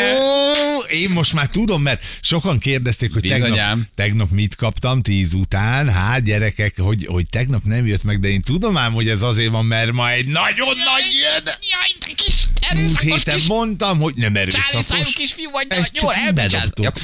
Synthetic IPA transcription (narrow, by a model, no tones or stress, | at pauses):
o | eːmːo̞ʃt̪maːrt̪ud̪o̞mːɛrt̪ʃo̞kɒŋkeːrd̪ɛst̪eːkho̞c̚t̪ɛɡnnpmt̪ɛɡnɒpmit̪kɒpt̪ɒmt̪iːzut̪aːnɦaːt̪ɟɛɾɛkɛkho̞ɟho̞̰c̚t̪ɛɡnɒpnɛmjøt̪mɛɡ̚d̪ɛeːnt̪ud̪o̞maːmho̞ɟɛzɒzeːrvɒmːɛrmɒɛdnɒɟonːɒɟiɛnjkiʃmult̪heːt̪ɛmːo̞nt̪ɒmho̞ɟnɛmɛɾø̰ːsɒt̪oukiʃfijuvɒɛst͡ʃbɛd̪o̰pt̪u